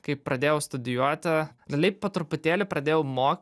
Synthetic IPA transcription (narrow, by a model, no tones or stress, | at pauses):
kɐɪppɾɐd̪ʲeːjɛʊst̪ʊd̪ʲɪjuɔt̪ʲɪlʲɛlʲɛɪpoːt̪ɾʊpʊt̪ʲeːlʲɪpɾɐd̪ʲeːjɛʊmoːkʲ